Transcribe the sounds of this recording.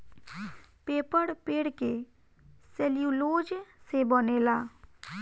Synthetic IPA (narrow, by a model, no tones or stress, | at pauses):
peːpəɽpeːɽke | seljuloːd͡ʒsebəneːlaː